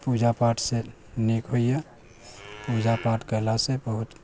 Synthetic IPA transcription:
pud͡ʒapaʈʰse | nekɦojə | pud͡ʒapaʈkəlasebəɦut̪

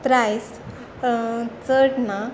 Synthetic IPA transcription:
t̪ɾajs | t͡səɽna

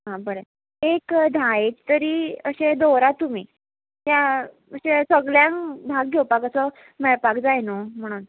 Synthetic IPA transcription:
ɦãbəɾe | ekd̪ʱãet͡ɕt̪əɾiːəɕed̪oɾat̪um̤iː | t̪ja | əɕẽsəɡljãŋbʱaɡ̚ɡʱewpakəsɔ | mɛɭpakd͡zajnom̤əɽ̃on

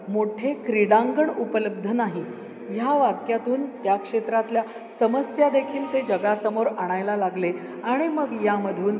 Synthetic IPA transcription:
moʈʰekɾiɽaŋɡəɳupələb̚d̪ʱənaɦi | jaʋakjat̪uːnt̪jakʂet̪ɾat̪lja | səməsjad̪ekʰiːlt̪ed͡ʑəɡasəmoɾaɽ̃ajlalaɡle | aɽ̃iməɡjaməd̪ʱuːn

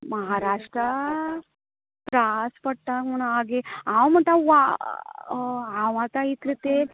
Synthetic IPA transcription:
mɐɦaːɾaːʂʈɾɐ | pɾaspɐɽ̚ʈ̪amuɳaːɡeawmɐnt̪aa | aʋãt̪ait̪ɾit̪e

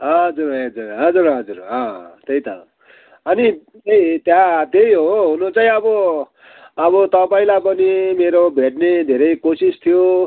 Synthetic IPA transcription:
ɦʌd͡zuɾʌʌd͡zurɦʌd͡zuɾɦʌd͡zurɦʌ̃t̪ejt̪ʌ | ʌni | et̪jat̪ejɦoɦunot͡saĩʌbʌ | ʌβʌt̪ʌpaĩlajpʌnimeɾobʱeʈned̪ʱeɾʌjkosist̪ʰijo

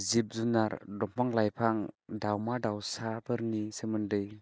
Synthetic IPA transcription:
zip̚zunaɾdɔmpʰaŋlajpʰaŋdawmadawsabɯɾnisemɯndɯj

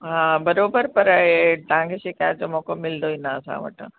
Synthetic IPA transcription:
ɦãːbɐɾoːbəɾpɐɾet̪aɦãŋkʰeʃɪkaːjt̪̚d͡ʑoːmõkomɪld̪oĩnaːsã̰ʋɐ̰ʈə̰

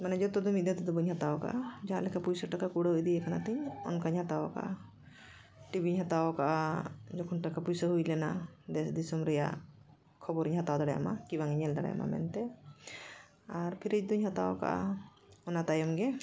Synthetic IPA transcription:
manɛd͡ʒɔt̪ɔd̪umid̪et̪ɔd̪ɔbəɲhat̪awɔka̰ʔad͡ʒaɦãlɛkapujsaʈakakuɽaɦujd̪iɛkanat̪iɲɔ̰nkaɲhat̪awɔka̰ʔa | ʈibiɲɦat̪awɔkaʔad͡ʒɔkʰunʈakapujsaɦujlɛnad̪ɛsd̪isɔmɾɛja̰ | kʰɔbɔɾiɲɦat̪awd̪aɽaja̰ma̰kibaŋiɲɛld̪aɽa̰ja̰ma̰mɛ̰nt̪ɛ | aɾpʰiɾid͡ʒd̪uɲɦat̪awɔka̰ʔa̰ | ɔnat̪ajɔmɡɛ

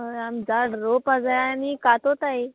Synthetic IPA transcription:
əamd͡zaɽɾopad͡zajanikat̪ot̪ai

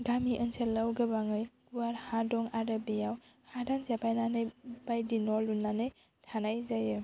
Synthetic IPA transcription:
ɡamiʔənselawɡɯbaŋɯjɡuaɾhadɔŋaɾɯbejaw | hadanzapʰajnanɯjb̥ajdinɔlunːanɯj | tʰanajzajɯ

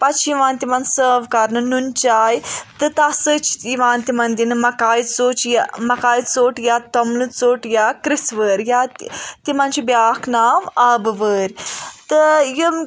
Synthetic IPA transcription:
pɐt͡ʃʰjiʋaːnt̪imɐnsəːʋkɐɾnɨnunt͡ʃaːjt̪ɨt̪ɐsɨt͡ʃʰiʋaːnt̪imɐnd̪inɨmɐkaːjt͡soːt͡ʃjmɐkaːjit͡soːʈjaːt̪omlɨt͡soːʈjaːkɾisʋəːɾʲjat̪t̪imɐnt͡ʃʰibjaːkʰnaːmɐbɨʋəːɾʲt̪ɨjəm

